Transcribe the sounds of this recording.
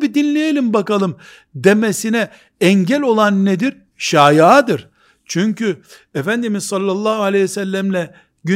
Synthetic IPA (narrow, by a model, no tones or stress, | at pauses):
bid̪inlʲejelʲimbakalˠɯm | d̪e̞mesinɛ | ɛɲɟɛlʲo̞lˠanːed̪iɾ | ʃaːjad̪ɯɾ̥ | t͡ʃʰyɲcʰy | efænd̪imizsalʲːalˠːaːhualʲejsælʲːæmlʲɛ | ɟy